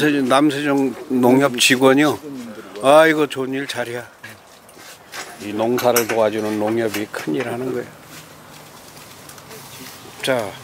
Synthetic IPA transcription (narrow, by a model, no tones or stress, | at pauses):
enamsʰed͡ʑʌŋnoŋjʌp̚t͡ɕiɡwʌɲo | aiɡʌt͡ɕoɲiɭt͡ɕaɾia | inoŋsʰaɾɯɭtoad͡ʑunɯnːoŋjʌbikʰɯɲiɾanɯnɡʌḛjo | t͡ɕa